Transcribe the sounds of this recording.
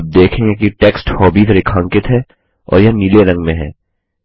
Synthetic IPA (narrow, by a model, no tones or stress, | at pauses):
b̚d̪eːkʰẽŋɡekiʈeːksʈhɔːbiːd̪ɾɪkʰãːŋkɪt̪ɦɛː | ɔ̰ːɾjɐɦniːleɾɐ̃ŋɡmẽɦɛ̰̃ː